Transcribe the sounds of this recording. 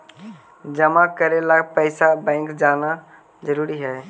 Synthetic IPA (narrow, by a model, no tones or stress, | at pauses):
d͡ʒɐmakəɾelaːpəɪsabɛ̃ːŋkd͡ʒaːna | zəɾuːɾiɦɛː